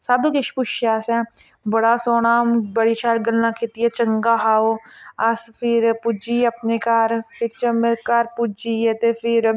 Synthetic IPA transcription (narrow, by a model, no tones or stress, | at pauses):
saːd̪okɪʃpʊʃjaːsɛ̃ː | bəɽasoːnaːmbəɽit͡ʃaːɾɡəlnãkʰit̪iɛt͡ʃəŋɡaːɦaːoaspʰɪɾpud͡ʒiɐpnekaːɾpʰɪɾt͡ʃɐmekaːɾpud͡ʒiet̪epʰɪɾ